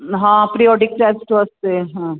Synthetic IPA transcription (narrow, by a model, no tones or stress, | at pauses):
ɦãːpɾiɔːɖɪk̚ʈɛsʈəst̪eɦã